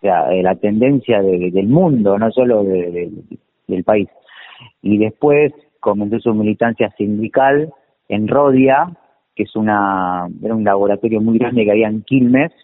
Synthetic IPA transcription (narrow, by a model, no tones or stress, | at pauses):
osea̰elat̪e̞nd̪e̞nsjaðeðe̞lmũnd̪o̞no̞so̞lo̞ðeðe | d̪elpais | iðe̞spwes | ko̞mẽ̞ns̬o̞sumilit̪ansjasind̪ikal | enro̞ðja | kesunaeɾaunlaβo̞ɾat̪o̞ɾjo̞mujɣɾand̪ekeaβiaeŋkilmes